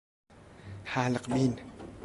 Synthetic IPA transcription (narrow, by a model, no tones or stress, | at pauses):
haːlək̚bin